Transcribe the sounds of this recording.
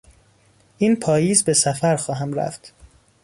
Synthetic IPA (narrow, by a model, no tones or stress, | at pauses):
ʔiːnpʰɒːjiːzbe̞sæfæɾxɒːɦæmɾæ̰ft̪